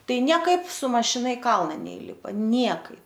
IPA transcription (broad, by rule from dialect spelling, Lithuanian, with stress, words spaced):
ˈtɐɪ nʲiɛˈkɐɪp sʊ mɐʃʲɪˈnɐ ɪ ˈkɐlˠnɐ nʲɛˈiːlʲɪpɐ ˈnʲiɛkɐɪp